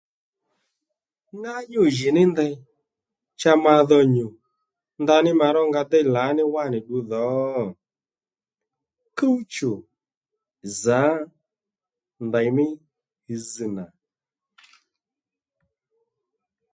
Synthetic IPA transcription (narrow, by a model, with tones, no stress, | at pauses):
ŋa˦ɲʊ˦˨ʒɪ˨nɪ˦nda˧j | t͡ʃa˧ma˧ðɔ˧ɲʊ˨ | nda˧nɪ˦ma˧ɾɔ˦ŋɡa˧dɛ˦jla˨˦nɪ˦wa˦˨nɪ˨ɗu˧ðɔː˨˦ | kə˦u˦t͡ʃʊ˨ | zaː˨˦ | nda˨jmɪ˦ | i˧zi˧na˨